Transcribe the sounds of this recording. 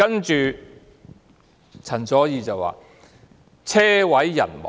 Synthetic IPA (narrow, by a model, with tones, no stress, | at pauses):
ɐ˥nt͡ʃyː˨ | t͡sʰɐ˨˩nt͡sɔː˨˥jiː˨˧t͡sɐ˨wwa̰ː˨ | t͡sʰɛː˥wɐ˨˥jːɐ̰˨˩nmɔ̰˨